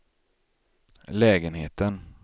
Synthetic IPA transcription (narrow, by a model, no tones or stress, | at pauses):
lɛːɡənɦeːt̪ən